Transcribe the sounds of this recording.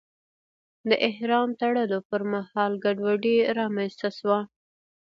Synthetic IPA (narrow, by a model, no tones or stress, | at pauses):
d̪əʔɪhɾɑmt̪aɽəlopəɾmahɑlɡaɖwaɖiɾɑmanst̪aʃwa